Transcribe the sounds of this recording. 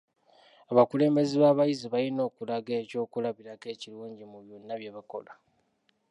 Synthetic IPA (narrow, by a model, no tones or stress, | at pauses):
aβakule̞ːmbe̞ziβaːβajiziβajino̞ːkulaɡe̞ːco̞ːkulaβiɾake̞ːciluːɲɟimuβjonːaβjeβako̞̰la